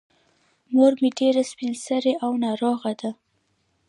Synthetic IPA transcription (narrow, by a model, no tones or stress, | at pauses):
moɾmeɖeɾaspinsaɾeʔawnɑɾoɣad̪a